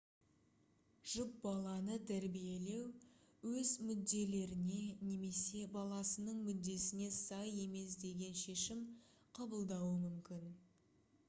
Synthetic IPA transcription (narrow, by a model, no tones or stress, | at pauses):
ʒ̥ʊp̚bɑlˠɑnət̪ʰæɾbije̞le̞wwɵzmʏd̪ːe̞le̞ɾɪne̞ne̞me̞se̞bɑlˠɑsənəɴmʏd̪ːe̞sɪne̞sɑje̞me̞s̬d̪e̞ɡʲe̞nʃe̞ʃɪm | qʰɑbəlˠd̪ɑwəmʏmkʲɪn